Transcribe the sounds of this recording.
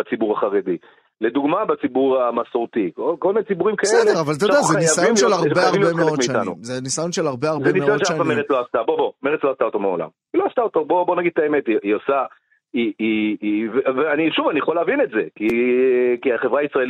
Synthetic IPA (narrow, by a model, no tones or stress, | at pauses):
bat͡sibuʁaχaʁed̪i | led̪uɡmabat͡sibuʁamasoʁt̪ikokolminet͡sibuʁimkasedleʁavalt̪̬odazeanijaajomnʃelaʁbeaʁiemeleomiiʃat̪annṵmzenisajonʃelaʁbeaʁzeniseajoʃaanfameʁet͡ssloast̪abobome̞ʁet͡slo̞astaot̪omeola̰m | iloast̪aot̪obo̞bo̞naɡid̪̚taeme̞tiiosa | iiveveaniʃuvanieχoleavinetze̞ki | kiaχevʁaːisʁael